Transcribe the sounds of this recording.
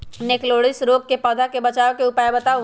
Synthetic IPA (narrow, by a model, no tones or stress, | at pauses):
nekloːɽɪsɾoːɡ̚kepɔːd̪ʱakebɐt͡ʃaːʋkeʊpaːjbɐt̪a